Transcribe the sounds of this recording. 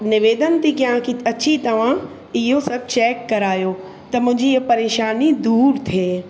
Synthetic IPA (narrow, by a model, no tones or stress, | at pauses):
nɪʋeːd̪ənt̪ʰikãkiɐt͡ɕʰit̪ɐʋ̤ã | ɪɦosɐb̚t͡ɕɛːkːɐɾaːjo | t̪ɐmʊ̃ɦɪ̃ɲd͡ʑiɐpɐɾeːʃaːnid̪uːɾt̪ʰeː